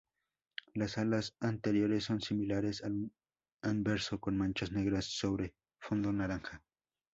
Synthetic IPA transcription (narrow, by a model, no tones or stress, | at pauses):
lasalasant̪eɾjoɾesːonsimilaɾesal | anbeɾsokonmant͡ʃasneɣɾasːoβɾe | fond̪onaɾaŋxa